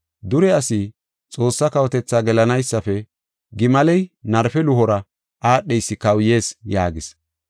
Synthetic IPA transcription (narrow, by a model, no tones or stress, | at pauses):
d̪ʊɾɛɐsi | t͡sʼo̞ːsːɐkɐwɔt̪ɛt͡sːaːɡɛlɐnɐjsːɐfɛ | ɡɪmɐlɛjnɐɾfɛlʊɦɔɾɐ | ʔaːɗːɛjsːɪkɐwje̞ːsjaːɡɪs